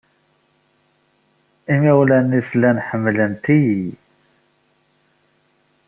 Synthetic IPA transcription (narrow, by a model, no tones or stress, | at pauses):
imæwlænːiθlænħəmːlənt̪iji